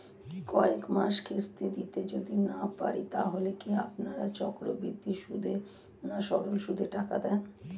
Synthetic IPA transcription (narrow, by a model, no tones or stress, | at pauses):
kɔekmaʃkʰest̪ed̪it̪ed͡ʑod̪inapa̰ɾit̪aɦolekiapnaɾat͡ɕɔkɾobɾid̪ʱːiʃud̪ʱe | naʃɔɾolʃud̪ʱeʈaka̰d̪ɛn